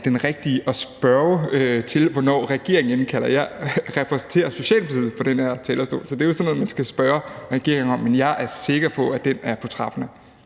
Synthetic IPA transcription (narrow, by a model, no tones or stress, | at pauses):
d̥enʁɛɡ̥̚d̥iəʔɒ̽sb̥ɶɐøt͡sʰe̝lʋɒnɒ̰ːʁɛɡ̥e̝ɐ̰eŋənkʰælɐjɑ̈ɪʁɛpʰʁɛsn̩t͡sʰe̝̰ːɐso̝ɕɛ̰ːlb̥siðˠpʰɒ̽d̥enheɐ̰t͡sʰɛːlɐsd̥o̰ːsɒ̽d̥e̝josno̽ːð̩ˠmænsɡ̥æsb̥ɶɐʁɛɡ̥e̝ɐeŋɒ̽mːenjɑ̈ɪʔæɐse̝ɡ̥ɐpʰɒ̽æd̥enæɐpʰɒt͡sʰʁɑ̈b̥ɐnə